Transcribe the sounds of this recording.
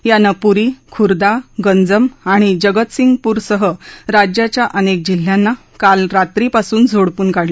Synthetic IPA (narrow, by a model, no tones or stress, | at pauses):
janːapuɾikʰuɾd̪aɡənd͡zəmaɽ̃id͡ʑəɡət̪siŋɡpuːɾsəɦəɾad͡ʑjat͡ɕjaʔənek̚d͡ʑil̤ːjanːa | kalɾat̪ɾipasuːnd͡zʱoɽpuːnkaɽli